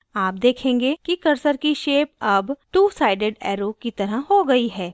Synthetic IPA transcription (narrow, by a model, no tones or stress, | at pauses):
aːp̚d̪eːkʰẽːŋɡekikɐɾsəɾkiʃeːp̚ɐbʈuːsaːɪɖeɖɛːɾoːkit̪ɐɾəɦɦoɡɐiɦɛː